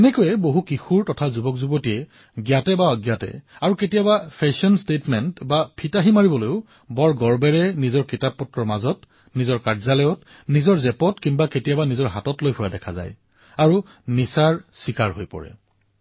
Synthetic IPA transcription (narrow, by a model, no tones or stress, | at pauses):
ɛnɛkojɛboɦukixuɹtɔtʰazubɔkzubɔtiɛ | ɡjatɛbaɔɡjatɛ̰aɹuketijabapʰɛsɔnstetmɛntbapʰitaɦimaɹibɔlojʊ | bɔɹɡɔɹbɛɹɛnizɔɹkitapːɔtɹɔɹmazɔt | nizɔɹkaɹzalɔjɔt | nizɔɹzɛpɔtkinbaketijabanizɔɹɦatɔtlojpʰɔjadɛkʰaza̰j | aɹu | nisaɹsikaɹɦojpɔ̰ɹɛ̰